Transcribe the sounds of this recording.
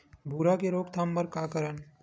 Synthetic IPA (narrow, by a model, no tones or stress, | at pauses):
bʱuːɾakeɾoːɡt̪ʰaːmpəɾkaːkəɾən